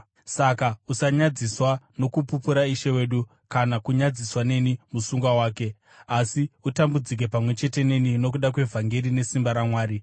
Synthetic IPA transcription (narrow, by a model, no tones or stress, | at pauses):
sakausaɲad͡ziswano̞kupupuɾaiʃe̞we̞ːɗu | kanakuɲad͡ziswane̞nimusuŋɡwawaːke̞ | asiutambud͡zik̬e̞pamwe̞t͡ʃe̞te̞ne̞nino̞k̬uɗak̬we̞vʱaŋɡeɾine̞simbaɾamwaːɾi